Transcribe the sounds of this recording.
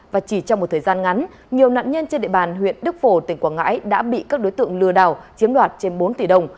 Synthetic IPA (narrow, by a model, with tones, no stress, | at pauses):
vaː˨˩t͡ɕi˧˩t͡ɕɔ˧wŋ͡mm˨˩t̪̚əː˨˩jzaː˧nŋa˨˦n | ɲi˨˩əwna̰ː˧˨nɲə˧nt͡ɕe˧nɗḛ˧˨ɓaː˨˩nɦwḭ˧˨ənɗɨ˦˥k̚fo˧˩t̪i˨˩ŋ̟kwaː˧˩ŋa̰ː˧˥jɗa̰ː˧˥ɓḭ˧˨kaː˦˥k̚ɗo˨˦jt̪ɨ̰˧˨əŋlɨ˧əɗaː˨˩wt͡ɕi˨˦əmɗwaː˨˩t̚t͡ɕe˧nɓo˨˦nt̪i˧˩ɗə˧wŋ͡m